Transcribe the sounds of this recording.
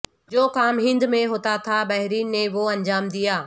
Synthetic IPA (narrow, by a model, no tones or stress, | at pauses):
d͡ʑoːkaːmɦɪ̃nd̪mẽɦoːt̪at̪ʰabɛɦɾiːnːẽʋoɐ̃ɲd͡ʑaːmd̪ijaː